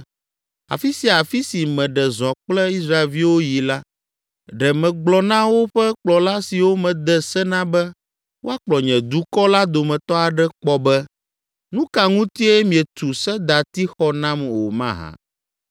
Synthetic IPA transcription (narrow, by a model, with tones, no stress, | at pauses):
a̰˨fi˦si˨a˨fi˦si˨mɛ̃˨ɖɛ˨zɔ̃˨k͡plɛ˦i˦sɾa˦e˨lvi˦wo˦ji˨la˦ | ɖɛ˨mɛ̃˨ɡ͡blɔ˨nã˦wo˦ɸɛ˦k͡plɔ˨la˦si˨wo˦mɛ̃˨d̪ɛ˦sɛ˦nã˦bɛ˦ | wo˦a˦k͡plɔ˨ɲɛ̃˨d̪u˦kɔ˦la˦d̪o˨mɛ̃˨t̪ɔ˦a˨ɖɛ˦k͡pɔ˦bɛ˦ | nũ˦ka˨ŋũ˦t̪i˦ɛ˦mĩ˨ɛ˨t̪u˨sɛ˦d̪a˨t̪i˦xɔ˦nã˦mwo˨mã̰˦ɦã̰˨